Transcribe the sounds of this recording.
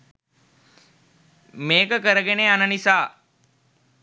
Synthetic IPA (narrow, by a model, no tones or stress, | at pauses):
meːkəkəɾəɡeneːanənisaː